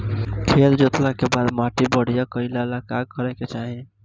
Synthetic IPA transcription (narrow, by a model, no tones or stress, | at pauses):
kʰeld͡ʒot̪lakebad̪maʈibəɽ̤ijakəɪlalakakəɾɛket͡ʃaɦi